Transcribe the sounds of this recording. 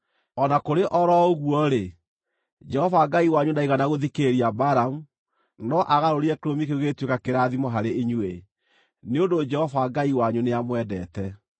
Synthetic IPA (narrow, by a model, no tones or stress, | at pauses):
ɔnakoɾeʔɔɾɔoɣwɔɾe | d͡ʒɛhɔvaɡaiwaɲunaiɣanaɣoðikeɾiabaɾamu | nɔʔaɣaɾoɾiɛkeɾomikeoɣetwekakeɾaːðimɔɦaɾeiɲwe | neondod͡ʒɛhɔvaɡaiwaɲuneamwɛdɛ̰ːtɛ